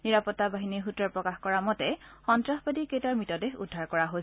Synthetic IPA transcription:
niɹapɔtːabaɦiniɦutɹɔɹpɹɔkaxkɔɹamɔtɛxɔntɹaxbadiketaɹmitɔdexṵdʱːaɹkɔɹaɦojsɛ

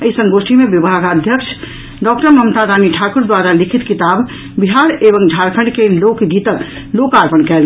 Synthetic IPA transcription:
əisəŋɡosʈʰimebibʱaɡəd̪ʱjəkt͡ʃʰ | ɖɔk̚ʈəməmt̪ad̪aniʈʰakuɾd̪waɾalikʰit̪kit̪ab | biɦaɾebəŋd͡ʒʱaɾkʰəɳɖkelokɡit̪ək | lokaɾpənkɛl

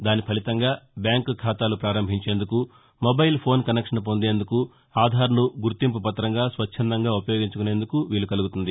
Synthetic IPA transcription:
d̪aːnipʰɐlit̪ɐŋɡaːbjaːŋkkʰaːt̪aːlupɾaːɾɐmbʱiɲt͡ʃe̞ːnd̪uku | mobɐjlpʰo̞ːnkɐnekʂɐnp̬o̞nd̪e̞ːnd̪uku | aːd̪ʱaːɾɐnuɡuɾt̪imp̬upɐt̪ːɾɐŋɡaːsʋɐt͡ʃːt͡ʃʰːɐnd̪ɐŋɡaːupɐjo̞ːɡiɲt͡ʃukune̞ːnd̪ukuʋiːlukɐluɡut̪und̪i

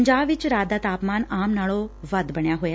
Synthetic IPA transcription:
ɲd͡ʒaːbʋɪt͡ʃɾaːd̪aːt̪aːpmaːnaːmnaːɭoʋəd̪bəɳjaːɦoːja

